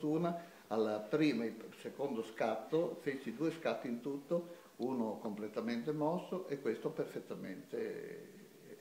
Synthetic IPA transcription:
t̪uːna | alːapɾiːmaisekond̪oskat̪ːofet͡ʃːid̪uːeskat̪ːint̪ut̪ːo | uːnokomplet̪ːament̪emɔsːoʔekːwest̪operfet̪ːamḛnt̪ḛ

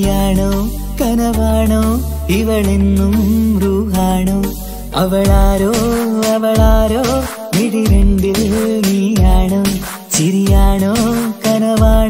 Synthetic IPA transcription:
jaːɳo | kɐnɐʋaːɳo | iʋɐɭinːumɾuːɦaːɳu | ɐ̰ʋɐɭaːɾoɐʋɐɭaːɾoː | niɽiɾeɳɖinijaːɳu | t͡ʃiɾijaːɳokɐnɐʋaː

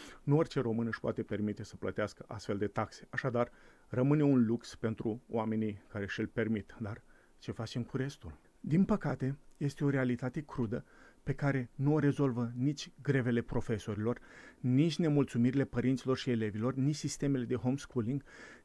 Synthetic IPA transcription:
nuorʲt͡ʃe̞ɾo̞mɨnɨʃpoa̰t̪e̞pe̞rmit̪e̞sə̥plət̪easkəʔa̰st̪feld̪e̞t̪akse̞̥aʃad̪ar | rəmɨne̞unlukspe̞nt̪ɾuw̰ame̞nijkaɾe̞ʃilpe̞rmit̪d̪ar | t͡ʃe̞fat͡ʃe̞mkuɾe̞st̪ul | d̪inpəkat̪e̞je̞st̪e̞o̞ɾe̞alit̪at̪e̞kɾud̪əpe̞kaɾe̞nuo̞ɾe̞zo̞lvənit͡ʃʲɡɾe̞ve̞le̞pɾo̞fe̞so̞ɾilo̞rnit͡ʃʲne̞mult̪sumiɾile̞pəɾint̪silo̞rʃie̞le̞vilo̞rnit͡ʃʲsist̪e̞me̞le̞d̪eɦo̞mskuliŋɡ

